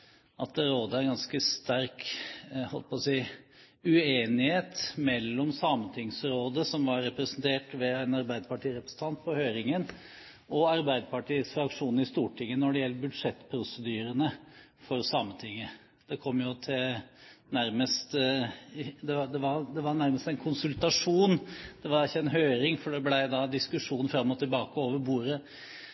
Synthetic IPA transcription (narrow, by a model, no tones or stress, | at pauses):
ʔɑt̪̚d̪ɛɾoːd̪əæɾɪnɡɑnskəst̪æɾkhɔləpʰɔsiɪ | ʉeːnɪheːt̪mɛlːɔmsɑːmənt̪ʰɪŋsɾoːd̪əsɔmʋɑɾːɛpɾəsənt̪ʰeːʈʋɛæɪnɑɾbæɪd̪əpɑʈiːɾɛpɾəsn̩t̪ʰɑnt̪̚pʰɔhøːɾɪŋən | ʔɔɑɾbæɪd̪əpɑʈʰiːsfɾɑkʂuːnɪst̪uːʈʰɪŋːənɔɖɛjɛlːəbʉd̪ʂɛt̪ːpʰɾʊsəd̪yːɾənə | fɔɾsɑmːət̪ʰɪŋːə | d̪̥ɛkʰɔmːjʊt̪ʰɪlnæɾməst̪ | d̪ɛd̪ɛʋɑɾd̪ɛʋɑɾnæɾməst̪æɛnkʰʊnsʉlt̪ɑʂuːnd̪̥ɛʋɑɾɪçːəɛnɦøːɾɪŋfɔɖɛblæɪd̪ɑd̪ɪskʉʂuːnfɾɑmːɔt̪ʰɪlbɑːkəoːʋəɾbuːɾə